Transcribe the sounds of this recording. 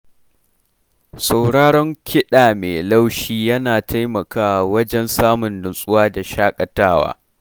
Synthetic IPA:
sa˨wɽaː˦ɽɔ˦ŋkʲʰɪ˦ɗaː˨meː˨la˦wʃiː˦jɐ˦naː˨tʰa˦jmɐ˨kaː˦˨wɐ˦d͡ʒɛ˦nsaː˦mʊ˨nːʊ˨nsʼʊ˦waː˦da˨ʃaː˦kʼɐ˨taː˦wa̰ː˦

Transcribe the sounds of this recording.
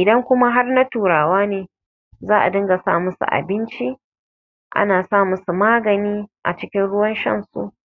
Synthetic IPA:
ʔɪ˨dɐ˦ŋkʷʊ˦ma˦ɦa˦rna˦tuː˨ɽaː˨waː˦neː˨ | zaː˦ʔa̰˨dɐ˦ŋɡa˨sa̰ː˦˨mʊ˦sṵ˨ʔa̰˨bɪ˦nt͡ʃi˦ | ʔa̰˦naː˨saː˦˨mʊ˦su˨maː˦ɡɐ˨niː˦ʔa̰˨t͡ʃɪ˦kʲɪ˦nɽʊ˦wɐ˦nʃɐ̰˦˨nsṵ˨ʔ

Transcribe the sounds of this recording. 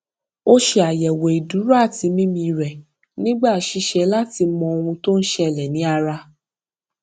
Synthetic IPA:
o˦ʃe˧a˨jɛ˨wo˨i˨du˨˦ɾa˦˨ti˧˦mĩ˦mĩ˧ɾɛ˨ | nĩ˦ɡ͡ba˦˨ʃi˧ʃɛ˧la˦ti˧mɔ̃˧o˧w̃ũ˧to˦n̩˦ʃɛ˦˨lɛ˨nĩ˨˦a˧ɾa˧

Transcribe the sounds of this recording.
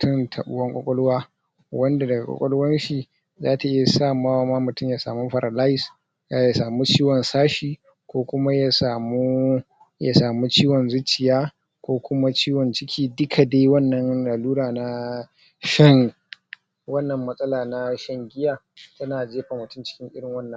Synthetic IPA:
tʊ˦˨ntʰɐ̰˨ɓʊ̰˦wɐ˦ŋkʷʼɔ̰˦kʷʼɔ˦lʊ˦waː˦ | wɐ˦nda˨dɐ˨ɡa˨kʷʼɔ̰˨kʷʼɔ̰˦lwɐ˦nʃi˨ | zaː˦ta˨ʔɪ˦ja˨sa˦˨maː˦waː˦maː˦mʊ˨tʊ˦ɲjaː˨sa̰ː˨mu˦ɸɐ˨ɾʔa˨la˦jɪ˦s | ja˨ja˨saː˨mu˦t͡ʃiː˦wɔ˨nsaː˦ʃiː˨ | kʷoː˦kʷʊ˦ma˦jaː˨saː˨muː˦ | ja˨saː˨mu˦t͡ʃiː˦wɔ˨nzʊ˦t͡ʃːɪ˨jaː˦ | kʷoː˦kʷʊ˦ma˦t͡ʃiː˦wɔ˨nt͡ʃɪ˦kʲʰiː˦dʊ˦kʰa˨deː˦wɐ˦˨nːɐ˨nlaː˨luː˦ɽaː˨na˦ | ʃɛ˦˨ŋ | wɐ˦nːɐ˨mːɐ˦sʼɐ˦laː˨na˦ʃɐ˦ŋɡʲɪ˦jaː˨ | tɐ˦naː˨d͡ʒeː˦ɸa˨mʊ˨tʊ˦mt͡ʃɪ̥˦kʲɪ˦ŋʔɪ˦ɽɪ˨ŋwɐ˦nːɐ̃˨˦

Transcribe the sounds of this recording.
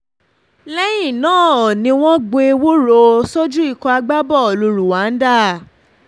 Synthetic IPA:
lɛ˦jĩ˦˨nãː˦˨ɔ˨nĩ˧w̃ɔ̃˦ɡ͡be˧wo˦ɾo˧sɔ˦d͡ʒu˦i˦˧˨kɔ˧a˧ɡ͡ba˦bɔ˦˨lu˧ɾu˨wa˨˦n̩˦da˦˨

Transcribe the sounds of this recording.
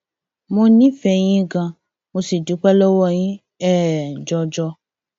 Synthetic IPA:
mõ˧nĩ˦fɛ˧j̃ĩ˦ɡã˧ | mo˧si˨du˨˦k͡pɛ˦lɔ˦wɔ˦˨j̃ĩ˦ | ɛ˦˨d͡ʒɔ˧d͡ʒɔ˧

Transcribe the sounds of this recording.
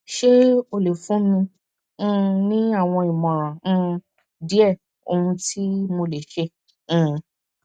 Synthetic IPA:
ʃe˦o˧le˨fũ˨˦mĩ˧˦˧ | nĩ˦a˦˨w̃ɔ̃˧i˨mɔ̃˨ɾ̃ã˨˧˦ | di˦ɛ˦˨ | o̰˧hũ˧ti˦mo˧le˨ʃẽ˧˦˧

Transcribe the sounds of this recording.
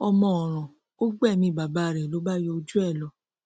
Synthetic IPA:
ɔ˧mɔ̃˧ɔ˨ɾ̃ã˨ | o˦ɡ͡bɛ˦˨mĩ˧˦˨ba˨ba˨˦˨ɾɛ˨lo˨˦ba˦jɔ˧o˧d͡ʒu˦ɛ˦˨lɔ˧˦

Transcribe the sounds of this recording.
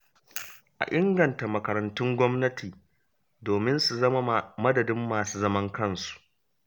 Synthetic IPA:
ʔa̰˨ʔɪ˦ŋɡɐ˨nta˨mɐ˨kɐ˨ɾɐ˨ntʊ˦ŋɡʷɔ˦mnɐ˦tʰiː˨ | doː˨mɪ˦nsu˨zɐ˦ma˦˨mɐ˦dɐ˨dɪ˦mːaː˨suː˦zɐ˦mɐ˦ŋkɐ˦˨nsu̥˨ʔ

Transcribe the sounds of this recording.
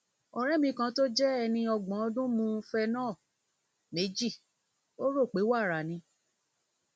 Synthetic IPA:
ɔ˨ɾɛ˦mĩ˧˦kã˧˦to˦d͡ʒɛ˦ɛ˧nĩ˧ɔ˧ɡ͡bã˨˦ɔ˧dũ˦mũ˧fɛ˧nãː˦˨ | me˨˦d͡ʒi˦˨ | o˦ɾo˦˨k͡pe˨˦wa˦˨ɾa˨nĩ˧

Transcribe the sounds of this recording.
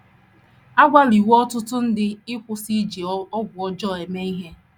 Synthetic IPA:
a˦ɡʷa˦li˨wɔ˦tʊ˦tʊ˦n̩˦dɪ˦ɪ˦kʷʊ˦si˦d͡ʒi˨ɔ˦ɡʷʊ˨ɔ˦d͡ʒɔ˦˨e˨me˦i˦ɦe˦

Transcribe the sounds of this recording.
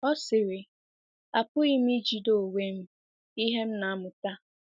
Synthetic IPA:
ɔ˦sɪ˨ɾɪ˨ | a̰˨pʊ˦i˦m̩˦i˦d͡ʒi˨do˦˨we˦m̩˦ | i˦ɦe˦m̩˦na˨a˦mʊ˨ta˦

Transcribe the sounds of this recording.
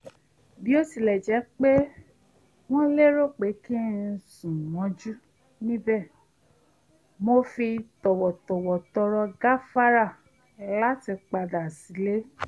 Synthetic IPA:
bi˨˦o˦si˧˨lɛ˨d͡ʒɛ˨˦k͡pe˦ | w̃ɔ̃˦le˦ɾo˦˨k͡pe˨˦ki˦˨n̩˨˦sũ˨wɔ̃˨˦d͡ʒu˦ | nĩ˦bɛ˦˨ | mo˦fi˧tɔ˨wɔ˨tɔ˨wɔ˨tɔ˧ɾɔ˧ɡa˦fa˦ɾa˦˨ | la˦ti˧k͡pa˧da˨si˨˦le˦

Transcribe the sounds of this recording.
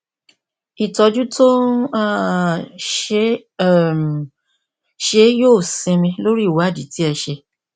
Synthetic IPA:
i˨tɔ˧d͡ʒu˦to˦n˦a˦ | ʃe˦˨ | m˨ | ʃe˦joː˦˨sĩ˧mĩ˧lo˦ɾi˦˨wa˦˨di˨ti˦ɛ˧ʃe˧

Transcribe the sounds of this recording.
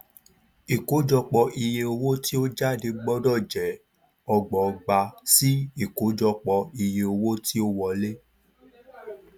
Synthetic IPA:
i˨ko˨˦d͡ʒɔ˧k͡pɔ˧ʔi˧je˧o˧wo˦ti˦o˦d͡ʒa˦˨de˧ɡ͡bɔ˦dɔ˦˨d͡ʒɛ˨ | ɔ˧ɡ͡bɔ˨˧ɡ͡ba˧si˦i˦˨ko˨˦d͡ʒɔ˧k͡pɔ˧i˧je˧o˧wo˦ti˦o˦wɔ˧le˦

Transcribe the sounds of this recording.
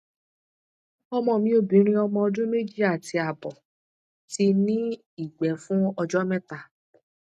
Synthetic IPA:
ɔ˧mɔ̃˧˨mĩ˧˦o˦˨bĩ˨˦ɾ̃ĩ˦ɔ˧mɔ̃˧ɔ˧dũ˦me˦d͡ʒi˦a˦˨ti˧˦a˨bɔ˨ | ti˧nĩ˦ | i˦˨ɡ͡bɛ˨˦fũ˦ɔ˧d͡ʒɔ˦mɛ̃˦ta˨

